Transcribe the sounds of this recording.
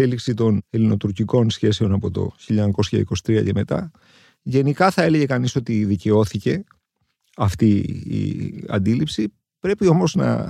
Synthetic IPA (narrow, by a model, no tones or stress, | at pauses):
eliksit̪o̞ne̞lino̞t̪uɾciko̞nsçe̞seo̞nɐpo̞t̪o̞̰çiʎɐko̞sçɐ̰ḭko̞si̥t̪ɾiɐ̰ce̞me̞t̪ɐ̰ | ʝe̞nikɐθɐe̞le̞ʝe̞kɐniso̞t̪iðice̞o̞θice̞ | ɐft̪iḭɐ̰nd̪ilipsi | pɾe̞pio̞mo̞znɐ̰